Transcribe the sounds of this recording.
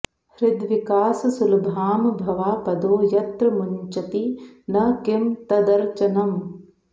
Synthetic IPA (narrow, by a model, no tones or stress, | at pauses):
hɾɪd̪ʋikaːsɐsulubʱaːmbʱɐʋaːpɐd̪oːjɐt̪ɾɐmuɲt͡ʃɐt̪inɐkimt̪ɐd̪ɐɾt͡ʃɐnɐm